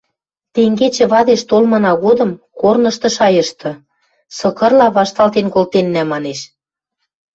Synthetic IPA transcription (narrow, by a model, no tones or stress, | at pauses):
t̪eŋɡet͡ɕĕβɑd̪eʃt̪olmɤ̆nɑɣod̪ɤ̆mkornɤ̆ʃt̪ɤ̆ʃɑjɤ̆ʃt̪ɤ̆ | sɤ̆kɤ̆rlɑβɑʃt̪ɑlt̪enkolt̪enːæmɑneʃ